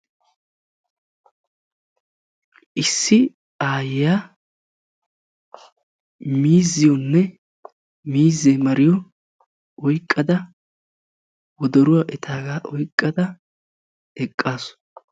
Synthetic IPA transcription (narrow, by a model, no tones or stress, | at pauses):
ʔɪsːɪ | aːjɪjaː | miːzːɪjɔnːɛ | miːzːemɐɾɪjɔ | ɔjkʼːɐd̪ɐ | wɔd̪ɔɾʊwaːʔɛt̪ʰaːɡaːʔɔjkʼːɐd̪ɐ | ɛkʼːaːsʊ̥